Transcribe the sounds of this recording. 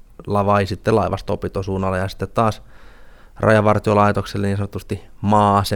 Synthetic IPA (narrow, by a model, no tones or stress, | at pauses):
lɑʋɑisit̪ːelɑiʋɑst̪opit̪osuːnɑlːejɑsi̥t̪ːet̪t̪ɑːs | rɑ̰jɑʋɑrt̪iolɑit̪okselːeniːnsɑnot̪ːust̪imɑːse